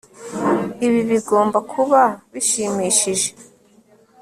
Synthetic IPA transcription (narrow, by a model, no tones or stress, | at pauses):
iβiβiɡo̞ːmbakʰuβaβiʃimiːʃiʒe̞